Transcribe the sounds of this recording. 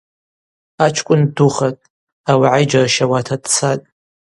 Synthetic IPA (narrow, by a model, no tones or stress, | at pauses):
at͡ʃʷʰkʷʼʊnduχatʼ | awaʕajd͡ʒaraʃawatʰadʼt͡sʰatʼ